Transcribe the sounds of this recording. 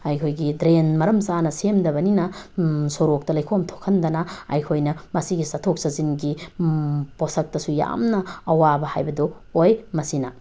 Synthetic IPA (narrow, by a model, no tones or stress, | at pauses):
ɐjkʰojɡidɾenmɐɾɐmsanɐsemdɐβɐninɐsoɾok̚tɐlɐjkʰomtʰokʰɐndɐnɐɐ̰jkʰojnɐmɐsiɡisɐtʰok̚sɐzinɡi | posɐk̚tɐsuja̰mnɐɐwabɐhajbɐdo | ojmɐsinɐ